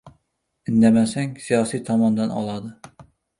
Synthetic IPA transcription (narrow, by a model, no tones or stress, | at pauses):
ɪnd̪ɛmɛsɛŋsijɑːsijt̪ʰɑmɑnd̪ɨnɑ̰lˠɑd̪ɨ